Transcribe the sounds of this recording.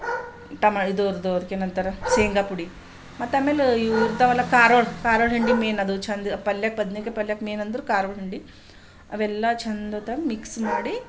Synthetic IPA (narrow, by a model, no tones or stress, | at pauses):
ʈɐmaid̪oːɾd̪oːɾkenɐnt̪ɐɾɐseːŋɡɐpuɽi | mɐt̪ːɐmeluɾt̪ɐʋɐlːɐkaːɾoːɭkaːɾoːɭɦiɳɖimeːnɐd̪ut͡ʃʰɐnd̪ɐpɐljaːk̚pɐd̪nikepɐljaːkmeːnɐnd̪uɾukaːɾoːɭɦiɳɖi | ɐ̰ʋɛlːat͡ʃʰɐnd̪ɐt̪ɐmmiksmaːɽi